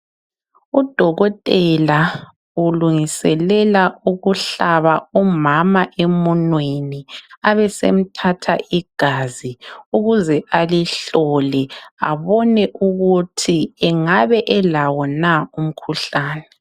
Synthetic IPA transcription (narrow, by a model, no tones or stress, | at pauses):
ud̥ʱɔɣɔtʼɛla | uluŋisɛlɛlauɣuɬaβaɔmamaʔɛmɔnweniaβɛsḛm̩tʰatʰaʔiɡ̥ʱaziuɣuzɛʔaliɬɔlɛa̰βɔnɛʔuɣutʰiɛŋaβɛʔɛlawɔnaum̩kʰuɬaːnɛ